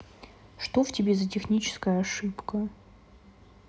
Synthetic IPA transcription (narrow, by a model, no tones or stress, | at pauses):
ʂt̪ovtʲɪbʲezətʲɪxnʲit͡ɕɪ̥skəjəɐʂɨpkə